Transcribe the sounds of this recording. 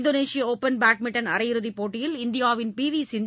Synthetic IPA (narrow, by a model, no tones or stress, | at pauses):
d̪oːneːsɪjɐoːpːɐnbaːk̚mɪʈːɐnɐ̰ɾɐjɪɾɯðipoːʈːɪjɪlɪnd̪ɪjaːʋɪnpiːʋiːsɪn